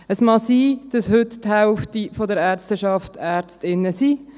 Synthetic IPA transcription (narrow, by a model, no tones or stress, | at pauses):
əsmɑsiːd̥ɑshʏtthaʊftifɔdəɾæːɾt͡stəʃɑftæːɾt͡stɪnːəsiː